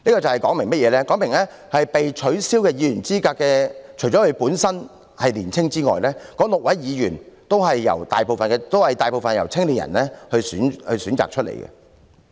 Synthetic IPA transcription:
niː˥kɔː˧t͡sɐ˨whɐ˨jkɔː˨˥ŋmɪ˨˩ŋmɐ˥t̚jɛː˨˧lɛː˥kɔː˨˥ŋmɪ˨˩ŋlɛː˥ | hɐ˨jpe˨jt͡ʃʰɵ˨˥ɥsiː˥wkɛː˧jiː˨˧ɥyː˨˩nt͡siː˥kaː˧kːɛː˧t͡ʃʰɵ˨˩ɥt͡ʃɔ˨˥hɵ˧ɥpuː˨˥nsɐ˥n | hɐ˨jliː˨˩nt͡sʰɪ˥ŋt͡siː˥ŋɔ̰ː˨jlɛː˥kɔː˨˥lʊ˨k̚wɐ˨˥jːiː˨˧jyː˨˩nt̪o˥wɦɐ˨jːɐ̰˨˩wt̪aː˨jpo˨wfɐ˨nkɛː˧t̪o˥whɐ˨jt̪aː˨jpo˨wfɐ˨njɐ̰˨˩wt͡sʰɪ˥ŋli˨n̚jɐ̰˨˩nlɛː˥hɵ˧ɥsyː˨˥nhɵ˧ɥsyː˨˥nt͡sa̰ː˨k̚t͡ʃʰt̚lḛ˨˩jkɛ̰˧

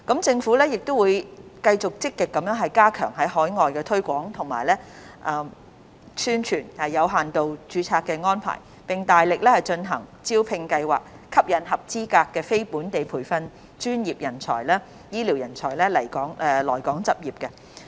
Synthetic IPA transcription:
kɐ˨˥mt͡sɪ˧ŋfuː˨˥lɛː˥jɪ˨k̚t̪ʊ˥wuː˨˧jkɐ˧jt͡sʊ˨k̚t͡sɪ˥kːɪ˨kːɐ˨˥mjœː˨˥ŋɦɐ˨jkaː˥kʰœ̰ː˨˩ŋɦɐ˨˥jhɔː˨˥jŋɔː˨jkɛː˧t̪ʰɵ˥ɥkʷɔː˨˥ŋt̪ʰʊ˨˩ŋma̰ː˨˩jlɛ˥ʔɐː˨˩ | syː˥nt͡ʃʰyː˨˩nhɐ˨˩jːɐ˨˧wɦaː˨nt̪o˨wt͡ʃyː˨˥t͡sʰaː˧kːɛː˧ŋɔː˥npʰa̰ː˨˩j | pɪ˨ŋt̪aː˨jlɪ˨k̚lɛː˥hɐ˨˩jt͡ʃɵ˧nɦɐ̰˨˩ŋt͡siː˥wpʰɪ˧ŋkɐ˧jwaː˨˩k̚ | kʰːɐ˥p̚jɐ˨˧˥nɦɐ˨p̚t͡siː˥kaː˧kːɛː˧fe˥jpuː˨˥nt̪e˨jpʰuː˨˩jfɐ˧n | t͡ʃyː˥njiː˨˩p̚jɐ˨˩nt͡sʰɔ̰ː˨˩jlɛː˥ | jiː˥liː˨˩wjɐ˨˩nt͡sʰɔː˨˩jlɛː˥lɐ˨˩jkɔː˨˥ŋɛ˨lɔː˨˩jkɔː˨˥ŋt͡sɐ˨p̚jiː˨p̚kɛ˧

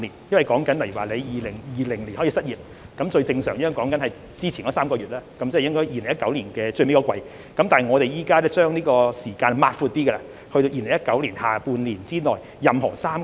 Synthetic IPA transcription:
li˨˩njɐ˥nwɐ˨˩jkɔː˨˥ŋkɐ˨˥nlɐ˨˩jy˨˩waː˨le˨˧jjiː˨˩lɪ˨˩ŋjiː˨˧lɪ˨˩ŋli˨nhɔː˨˥iː˧sɐ˥t̚jiː˨˩p̚ | kɐ˨˥mt͡ʃɵ˧ɥt͡sɪ˧ŋsœː˨˩ŋjɐ˥jŋkɔː˨˥ŋkɐ˨˥nhɐ˨j | t͡siː˥t͡sʰiː˨˩nkɔː˨˦saː˥mkɔː˧ɥyː˨t̚laː˥kɐ˨˦mt͡sːjɪ˥ŋkɔː˥jiː˨le˨˩ŋjɐ˥t̚kɐ˨˥wliː˨˩nkɛː˧t͡ʃɵ˧ɥme˥kɔ˧kʷwɐ˧j | kɐ˨˥mt̪aː˨hɐ˨˩ŋɔː˨˧ɾe˨jjiː˨˩kaː˥ɛː˥t͡ʃœː˥ŋniː˥kɔː˧siː˨˩kaː˧nmaː˧t̚fuː˧t̚t̪iː˥kɛ˧ɛ˧˥ | hɵ˧t̪o˧wjiː˨˩lɪ˨˩jɐ˥t̚kɐ˨˥wliː˨˩nhaː˨puː˧nliː˨˩nt͡siː˥nɔː˨˩j | jɐ˨mɦɔ̰ː˨˩saː˥m

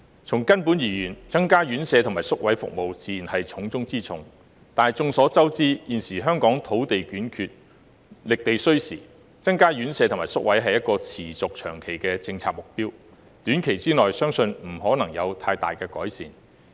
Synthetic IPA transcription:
t͡sʰʊ˨˩ŋkɐ˥npuː˨˥njiː˨˩jyː˨˩nt͡sɐ˥ŋkaː˥jyː˨˥nsɛː˨˧t̪ʰʊ˨˩ŋmaː˨˩sʊ˥k̚wɐ˨˥jfʊ̰˨k̚mo˨wt͡siː˨ji˨˩nhɐ˨jt͡sʰʊ˨˥ŋt͡sʊ˥ŋt͡siː˥t͡sʰʊ˧˥ŋ | t̪aː˨t͡sʊ˧ŋsɔː˨˥t͡sɐ˥wt͡siː˥jiː˨nsiː˨˩ɦœː˥ŋkɔː˨˥ŋt̪ʰo˨˥wt̪e˨jkyː˨˥nkʰyː˧t̚ | lɪ˨k̚t̪e˨jsɵ˥ɥsḭː˨˩ | t͡sɐ˥ŋkaː˥ɥyː˨˥nsɛː˨˧t̪ʰmaː˨˩jsʊ˥k̚wɐ˨˥jɦɐ˨jːɐ˥t̚kɔː˧t͡sʰiː˨˩t͡sʊ˨k̚t͡ʃʰœ̰ː˨˩ŋkʰe˨˩jkɛː˧t͡sɪ˧ŋt͡sʰaː˧k̚mʊ˨k̚piː˥w | t̪yː˨˥nkʰe˨˩jt͡siː˥nŋɔː˨jsœː˥ŋsɵ˧nm̩˨˩ɦɔː˨˥nɐ˨˩ŋjɐ˨˧wt̪ʰaː˧jt̪a̰ː˨˩jkɛː˧kɔː˨˥jsiː˨˩n

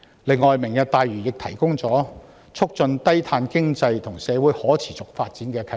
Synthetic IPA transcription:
lɪ˨˧ŋːɔː˨jmɪ˨˩ŋjɐ˨˩t̚t̪aː˨jɥyː˨˩jɪ˨k̚t̪ʰɐ˨˩jkʊ˥ŋt͡sɔː˨˥ | t͡sʰʊ˥k̚t͡sɵ˧nt̪ɐ˥jt̪ʰaː˧nkɪ˥ŋt͡sɐ˧jt̪ʰʊ˨˩ŋsɛː˨˧wuː˨˥jhɔː˨˥t͡sʰiː˨˩t͡sʊ˨k̚faː˧t̚t͡siː˨˥nkɛː˧kʰɐ˧

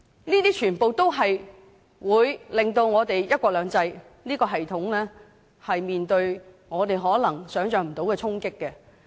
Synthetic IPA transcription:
niː˥t̪iː˥t͡ʃʰyː˨˩npo˨wt̪o˥wɦɐ˨j | wuː˨˧jlɪ˨ŋt̪o˧wŋɔː˨˧t̪e˨jjɐ˥t̚kʷɔː˧k̚lœː˨˧ŋt͡sɐ˧j | niː˥kɔː˧ɦɐ˨jt̪ʰʊ˨˥ŋlɛː˥ | hɐ˨jmiː˨nt̪ɵ˧ɥ | ŋɔː˨˧t̪e˨jɦɔː˨˥lɐ˨˩ŋsœː˨˥ŋt͡ʃœː˨˧ŋ̚m̩˨˩t̪o˨˥wkɛː˧t͡sʰʊ˥ŋkɪ˥kːɛ˧

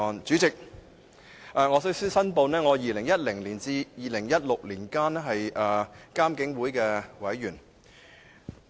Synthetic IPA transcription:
ɔː˨˧nt͡syː˨˥t͡sɪ˨k̚ | ʔɛː˧ŋɔː˨˧sɵ˥syː˥sɐ˥npo˧wnɛː˥ŋɔː˨˧jiː˨˧lɪ˨˩ŋjɐ˥t̚lɪ˨˩ŋliː˨˩nt͡siː˧jiː˨˧lɪ˨˩ŋjɐ˥t̚lʊ˨k̚liː˨˩nkaː˥nɛ˥ɦɐ˨jʔɐː˨˧kaː˥mkɪ˨˥ŋwuː˨˥jkɛː˧wɐ˨˥jːyː˨˩n

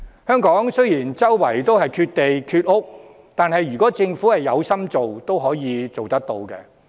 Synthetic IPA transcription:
hœː˥ŋkɔː˨˥ŋsɵ˥jiː˨˩nt͡sɐ˥wwɐ˨˩jt̪o˥whɐ˨jkʰyː˧t̚t̪e˨jkʰyː˧t̚ʊ˥k̚ | t̪aː˨nhɐ˨jɥyː˨˩kɔː˨˥t͡sɪ˧ŋfuː˨˥hɐ˨jːɐ˨˧wsɐ˥mt͡so˨wt̪o˥wɦɔː˨˥jiː˨˧t͡so˨wt̪ɐ˥k̚t̪o˧wkɛ̰˧

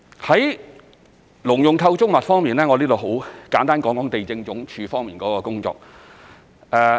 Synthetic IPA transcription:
hɐ˨˥j | lʊ˨˩ŋjʊ˨ŋt̪ʰɐ˧wt͡sʊ˥k̚mɐ˨t̚fɔː˥ŋmiː˨˩nlɛː˥ŋɔ˨˧liː˥t̪o˨˧wɦo˨˥wkaː˨˥nt̪aː˥nkɔː˨˥ŋkɔː˨˥ŋt̪e˨jt͡sɪ˧ŋt͡sʊ˨˥ŋt͡ʃʰyː˨˧fɔː˥ŋmiː˨nkɔː˨˥kɔː˧kʊ˥ŋt͡sɔ̰ː˨k̚ | ʔɛː˨˧

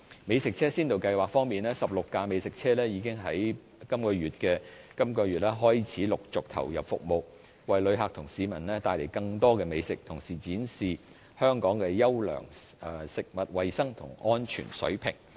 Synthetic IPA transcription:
me˨˧jsɪ˨k̚t͡sʰɛː˥siː˥nt̪o˨wkɐ˧jwaː˨˩k̚fɔː˥ŋmiː˨nɛː˥sɐ˨p̚lʊ˨kːaː˧me˨˧jsɪ˨k̚t͡sʰɛː˥lɛː˥jiː˨˧kɪ˥ŋɦɐ˨˥j | kɐ˥mkɔː˧ɥyː˨t̚kɛː˧ | kɐ˥mkɔː˧ɥyː˨t̚lɛː˥ɦɔː˥jt͡sʰiː˨˥lʊ˨k̚t͡sʊ˨k̚t̪ʰɐ̰˨˩wjɐ̰˨p̚fʊ̰˨k̚mo˨˧w | wɐ˨jlɵ˨˧ɥɦaː˨k̚t̪ʰʊ˨˩ŋsiː˨˥mɐ˨˩nlɛː˥t̪aː˧jle˨˩jkɐ˧ŋt̪ɔː˥kɛː˧me˨˧jsɪ˨k̚t̪ʰʊ˨˩ŋsiː˨˩t͡siː˨˥nsiː˨ | hœː˥ŋkɔː˨˥ŋkɛː˧jɐ˥wlœ̰ː˨˩ŋː˨ | sɪ˨k̚mɐ˨t̚wɐ˨jsɐ˥ŋt̪ʰʊ̰˨˩ŋʔɔː˥nt͡ʃʰy̰ː˨˩nsɵ̰˨˥ɥpʰɪ̰˨˩ŋ

